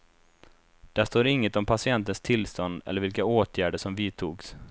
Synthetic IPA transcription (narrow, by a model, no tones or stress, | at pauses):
d̪̥æʂt̪oːɾɪŋːət̪ɔmpʰasɪɛnt̪ənst̪ʰɪlst̪ɔnd̪ɛ̰ləɾvɪlkaoːt̪ʰjæːɖəʂɔmviːt̪ʰuːɡs